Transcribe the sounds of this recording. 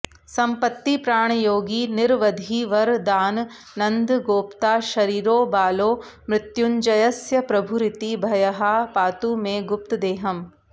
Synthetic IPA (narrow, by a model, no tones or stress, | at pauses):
sɐmpɐt̪ːipɾaːɳ̃ɐjoːɡinɪɾʋɐd̪ʱiːʋɐɾd̪aːnː | ɐnd̪ɡoːpt̪aːʃɐɾiːɾoːbaːloːmɾɪt̪juɲd͡ʒɐjɐsjɐpɾɐbʱuɾɪt̪ibʱɐjɐɦɐpaːt̪umẽɡʊp̚t̪d̪eːɦɐm